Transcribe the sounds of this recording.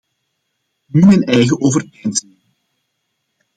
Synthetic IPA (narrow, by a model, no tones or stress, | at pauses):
nymɛnɛjɣəʔoːvərpɛjnsəlɪŋ